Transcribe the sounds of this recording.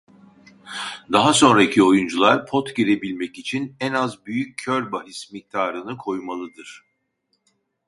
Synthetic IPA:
d̪aɦaso̞nɾacʰio̞jund͡ʒulˠaɾpʰot̪ɟiɾe̞bilʲmɛcit͡ʃʰinɛnazbyjycʰːøɾbaɦismic̚t̪ʰaːɾɯnɯkʰo̞jmalˠɯd̪ɯɾ̥

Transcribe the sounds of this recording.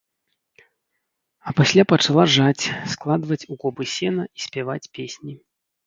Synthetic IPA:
ɐpasʲlʲapɐt͡ʂalˠaʐat͡sʲsklˠad̪vɐt͡sʲuɣɔbɨsʲɛnɐisʲpʲɛvat͡sʲpʲesʲnʲi

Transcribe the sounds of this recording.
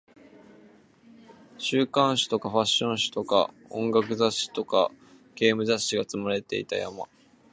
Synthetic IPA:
ɕɨːkãɰ̃ɕi̥t̪o̞kaɸaɕːõ̞ɰ̃ɕi̥t̪o̞ka̰ | õ̞ŋɡakɯ̟zaɕːi̥t̪o̞ka̰ | ɡ̥e̞ːmɯ̟zaɕiɡat͡sɨmaɾe̞t̪e̞̰ḭt̪a̰ja̰ma̰

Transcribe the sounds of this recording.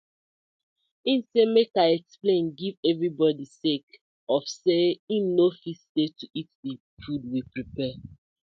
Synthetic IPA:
ĩnsemekaɪɛksplẽnɡivɛvɹibɔdisek | ɔfseĩnːofistetuʔitdi | fud̚wipɹipɛ

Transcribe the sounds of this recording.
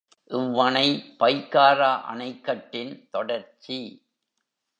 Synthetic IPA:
ʔɪʋːɐnɐɪpɐjkːaːɾaːʔɐ̰nɐɪkːɐʈːɪnt̪ɔɽɐɾt͡ʃi

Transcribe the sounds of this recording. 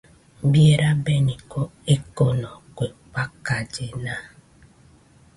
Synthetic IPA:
bieɾabenikoekonɔkʷek͡pakad͡ʒena

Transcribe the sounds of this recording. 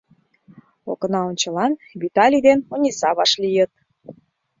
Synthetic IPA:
o̰kə̆nɑonʲt͡ɕəlɑnβit̪ɑlʲid̪enunʲisɑβɑʃlijət̪̚

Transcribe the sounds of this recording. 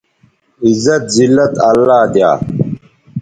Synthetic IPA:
izːɐt̪zilːɐt̪ɐlːaːd̪ja̰ː

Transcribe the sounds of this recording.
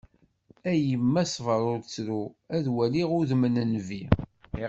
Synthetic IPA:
æjəmːæsvəɾˤʊɾt͡sːɾuæðwæliʁʊðmənənvi

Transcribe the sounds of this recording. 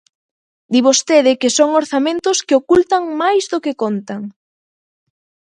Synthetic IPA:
d̪iβost̪eðɪkɪsoŋoɾθamẽnt̪ʊskɪokult̪aŋmajzðokekont̪aŋ

